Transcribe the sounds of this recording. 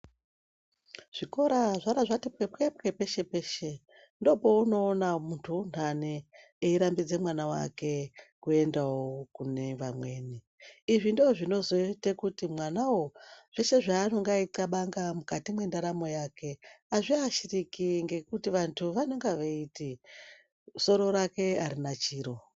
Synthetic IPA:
ʐ̥iko̞ɾaʐaɾaʐatip̚kepep̚ke̞pe̞ʃe̞pe̞ʃe | ndo̞po̞uno̞ːnamuntʰun̤ane | eiɾambid͡zemwanawa̰ke̞kue̞ndawokune̞ʋamwe̞ːni | iʐindoʐino̞zo̞itekutimwanawoʐ̥eʃe̞ʐaːno̞ŋɡaitaɓaŋɡamukatimwe̞ndaɾamo̞jake̞aʐiaʃirikiŋɡe̞kutiʋantʰuʋano̞ŋɡaʋeiti | so̞ɾo̞ɾake̞aɾinat͡ʃiːɾo̞

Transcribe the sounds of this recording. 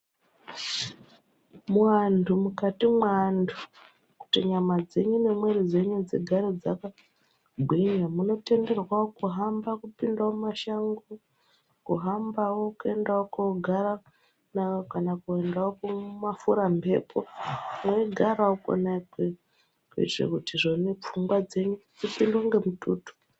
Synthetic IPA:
mwantʰumukatimwantʰu | ku̥tiɲamad͡ze̞ɲunemwe̞rid͡ze̞ɲud͡zḛɡʱaɾod͡zaka | ɡʱwiɲamuno̞te̞nde̞rwaokuɦambakupindaomumaʃaŋɡo | kuɦambawokue̞ndaokouɡʱaɾa | nakanakuendaokumafuɾambʱe̞̰pʰo̰mweiɡʱaɾaoko̰naike | kwḭʐḛkutiʐonep͡fuŋɡwad͡ze̞ɲud͡zipindoŋɡe̞mutuːtu̥

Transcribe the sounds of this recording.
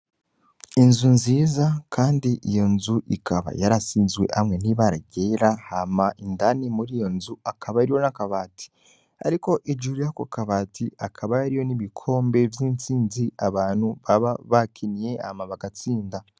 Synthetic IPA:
inzunziːzakʰaːndiʔijo̞nzuʔikʰaβa̰jaɾasiːnzɡwe̞̰ʔamŋe̞niβaɾaɟeɾahamaʔindanimuɾijo̞nzuakʰaβajaɾiwo̞nakaβati̥ | a̰ɾiko̞ʔid͡ʒuɾujakokaβaːtʰiakʰaβajaɾijo̞niβikʰo̞ːmbe̞vjiːnt͡siːnziaβaːn̥huβaβaβakʰinije̞a̰maβaɡat͡siːnda

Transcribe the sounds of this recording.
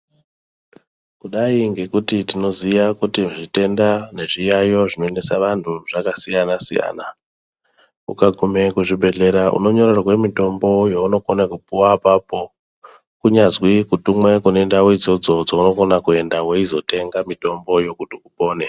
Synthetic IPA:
kuɗaiŋɡe̞kutitino̞zijakutiʐite̞ndane̞ʐijajo̞ʐino̞ene̞saʋantʰuʐ̥akasijanasḭja̰ːna | ṵkaɡʱume̞kuʐibʱe̞ɮe̞ɾaʔṵno̞ɲo̞rorwe̞mito̞mbo̞jouno̞konakupuwapapo̞ | kuɲazwikutumwe̞kune̞ndawid͡zo̞d͡zo̞d͡zouno̞konakue̞ndaweizo̞te̞ŋɡamito̞mbo̞jo̞kutiupo̞ːne

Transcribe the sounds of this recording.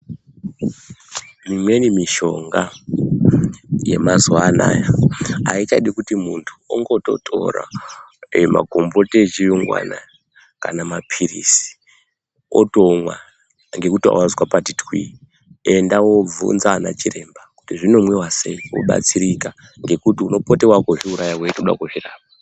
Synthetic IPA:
mimwe̞nimiʃo̞ŋɡa | je̞mazwana̰ːjaait͡ʃaɗikutimuntʰu̥oŋɡo̞to̞̰tʰo̞̰ra̰ | ma̰ɡʱo̞mbo̞tet͡ʃijuŋɡwa̰na | kanamapʰirḭsi̥ | o̰tomwa | ŋɡe̞kutia̰wazwapatitwi | e̞ndawo̞b͡vṵnzaːna̰t͡ʃiɾe̞mbaku̥tiʐino̞mwewase̞iwo̰ɓa̰t͡siɾika | ŋɡe̞kutiuno̞potewakoʐiuɾajawetoɗa̰kuʐiraːpa

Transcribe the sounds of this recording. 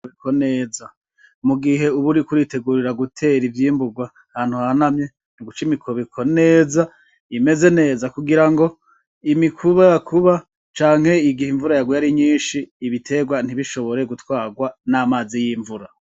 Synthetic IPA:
βikʰone̞ːza | muɡiɦe̞uβuɾikuɾite̞ɡuɾiɾaɡutʰe̞ɾivjiːmbuɡwa | haːn̥huhanamɲe̞ | nuɡut͡ʃimikʰoβikʰo̞ne̞ːza | ime̞ze̞ne̞ːzakuɡiɾaŋɡo̞ | imikʰuβaakʰuβa | t͡ʃaːŋ̥he̞iɡihiɱvuɾajaɡwujaɾiɲiːnʃiːβitʰe̞ɡwan̥iβiʃo̞βo̞ɾe̞ɡutwaːɡwanamaːzijiːɱvuɾa

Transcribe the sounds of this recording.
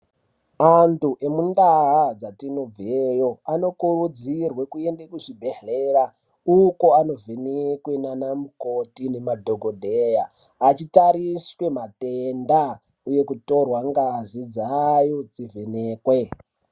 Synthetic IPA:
antuʔe̞mundaɦad͡zatino̞b͡vejo̞ano̞kuɾud͡zirwekue̞ndekuʐibʱe̞ɮera | uko̞ano̞vʱenekwe̞nanamuko̞tine̞madʱo̞ɡʱodʱejaː | t͡ʃitaɾiswe̞matenda | uje̞kuto̞rwaŋɡazid͡zajo̞d͡zivʱe̞ne̞ːkwe̞

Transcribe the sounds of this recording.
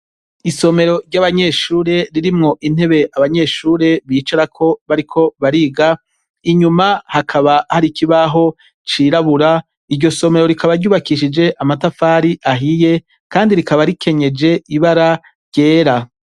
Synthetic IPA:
iso̞me̞ɾo̞ɾɟaβaɲe̞ʃuːɾe̞ɾiɾimŋo̞ʔin̥e̞βe̞ʔaβaɲe̞ʃuːɾe̞βiːt͡ʃaɾakʰo̞βaɾikʰo̞βaɾiːɡa | iɲumahakʰaβahaɾikʰiβaɦo̞ | t͡ʃiɾaβuɾa | iɾɟo̞so̞me̞ɾo̞ɾikʰaβaɾɟuːβakiʃid͡ʒe̞ʔamatafaːɾiʔaɦije̞ | kaːndiɾikaβaɾikʰe̞ɲe̞d͡ʒe̞iβaɾa | ɾɟ̥e̞ːɾa

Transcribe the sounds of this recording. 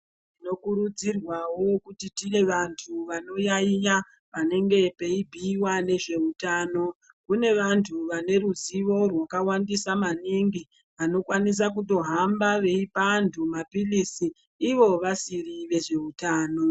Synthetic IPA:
tino̞kuɾud͡zirwawo̞kutitine̞ʋantʰuʋano̞jaija | ʋane̞ŋɡe̞pe̞ibʱiːwane̞ʐe̞utaːno̞ | kune̞ʋantʰuʋane̞ɾuziʋo̞rwakawandisamaniŋɡi | ʋano̞kwanis̬ak̬uto̞ɦambaʋe̞ipantʰumapilisiː | ʋo̞ʋasiriʋe̞ʐe̞utaːno

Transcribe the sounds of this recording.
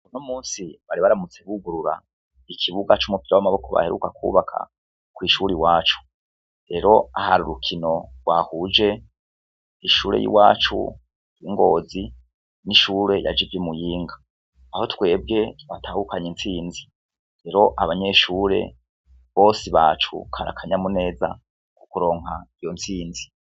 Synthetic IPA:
unomuːnsiβaɾiβaɾamut͡se̞βuɡuɾuɾa̰ | ikʰiβuɡat͡ʃumupiɾawamaβo̞kʰoβa̰heɾṵkakṵβakʰa̰ | kwiʃuɾiwaːt͡ʃu̥ | ɾe̞ɾo̞ahaɾuɾukʰino̞wahuːd͡ʒe̞ | iʃuːɾe̞̰jḭwaːt͡ʃṵ | jiŋɡo̞ːzi | niʃuɾe̞ja̰d͡ʒivjimujiːŋɡaː | ho̞twe̞ːb̚ɡe̞βatʰaːhukaɲint͡siːnzi | ɾe̞ɾo̞ʔaβaɲe̞ʃuːɾe̞̰ | βo̞ːsiβa̰ːt͡ʃṵkʰaɾa̰kʰaɲamune̞ːza̰ | ku̥kuɾo̞ːŋhaijo̞nt͡siːnzi

